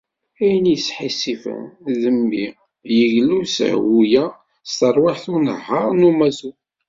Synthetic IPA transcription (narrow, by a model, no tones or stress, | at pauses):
æjənjəsħisifə̰nðəmːi | jəʝlusə̰ʕ̰wujæ | st̪əɾˤwaħθunə̰ɦːəʁˤnumæsu